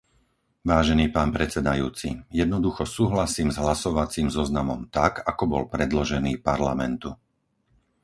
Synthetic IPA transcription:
ʋaːʒɛniːpaːnpɾɛt͡sɛd̪ajuːt͡sḭjɛd̪nɔd̪uxɔsuːɦlasiːmzɦlasɔʋat͡siːmzɔznamɔmt̪akakɔbɔ̰lpɾɛd̪lɔʒɛniːpaɾla̰mɛnt̪u

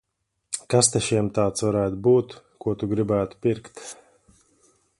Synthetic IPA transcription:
kast̪ɛʃiɛmt̪aːt̪svaɾæːt̪ubuːt̪ | kuɔt̪uɡɾibæːt̪u̥pʲiɾkt̪

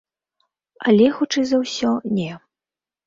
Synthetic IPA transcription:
ɐlʲɛxut͡ʂɨzɐwsʲɔnʲɛ

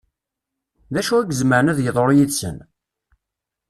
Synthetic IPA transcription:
ðæʃuæɡəzməɾənæðjəðˤoɾˤjiðsə̰n

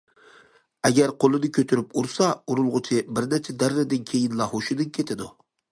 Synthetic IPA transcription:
æɡʲæɾqʰolˠɨnɪkʲʰøt̪ʰyɾɪpuɾsɑuɾulˠʁʊt͡ʃʰɪbɪɾnæt͡ʃʰɛd̪æɾːɪd̪ɪnkʲʰejɪnlˠɑhoʃɪd̪ɪnkʲʰet̪ʰɪd̪u

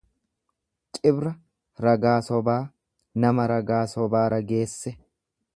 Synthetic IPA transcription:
t͡ʃʼɪbɾɐ | ɾɐɡaːsɔbaː | nɐmɐɾɐɡaːsɔbaːɾɐɡe̞ːsːɛ

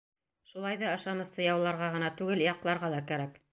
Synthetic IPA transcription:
ʃulˠɑjðɑɤ̆ʃɑnɤ̆st̪ɤjɑwlˠɑɾʁɑʁɤ̆nɑt̪ʉɡɘljɑqlˠɑɾʁɑlˠɑkæɾæk

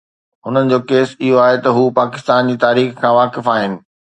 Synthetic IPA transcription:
ɦʊnənɪ̆d͡ʑoːkeːsɪɦoaːɦet̪ɐɦuːpaːkɪst̪aːnd͡ʑiːt̪aːɾiːxkʰãːʋaːkɪfaːɦɪnɪ̆

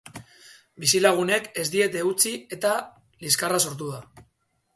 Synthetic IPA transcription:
bisilaɣ̞une̞ke̞zd̪ie̞t̪e̞ut͡sie̞t̪a | liskaraso̞ɾt̪̬uða

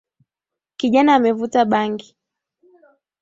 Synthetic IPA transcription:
kiʄanaːmɛvutaɓaŋɡi

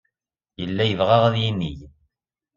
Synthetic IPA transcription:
jəlːæjəvʁaʁæðjinːij

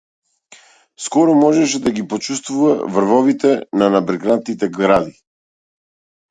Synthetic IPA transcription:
skɔɾɔmɔʒɛʃɛd̪aɡipɔt͡ʃust̪vuvavr̩vɔvit̪ɛnanabɾɛɡnant̪nit̪ɛɡɾad̪i

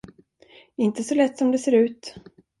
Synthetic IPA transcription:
ɪnt̪əsɔlɛt̪ːsɔmd̪ɛseːɾʉ̟ːt̪

